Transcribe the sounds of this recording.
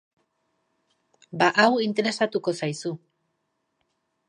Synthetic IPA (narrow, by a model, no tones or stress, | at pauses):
baʔawint̪e̞ɾe̞sat̪uko̞sajsu